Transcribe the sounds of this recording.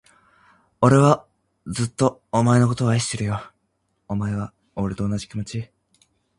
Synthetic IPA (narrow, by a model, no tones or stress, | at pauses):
o̞ɾe̞βa | d͡zɨt̪ːo̞ːmae̞no̞ko̞t̪o̞ːaiɕi̥t̪e̞ɾɯ̟jo | omae̞β̞a | oɾet̪o̞ːnaʑikʲimo̞t͡ɕi